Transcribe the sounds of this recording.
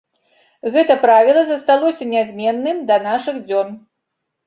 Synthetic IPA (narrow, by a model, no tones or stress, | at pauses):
ɣɛt̪ɐpɾavʲilˠɐzɐst̪alˠɔsʲɐnʲazʲmʲɛnːɨmd̪ɐnaʂɨɣd͡zʲɔn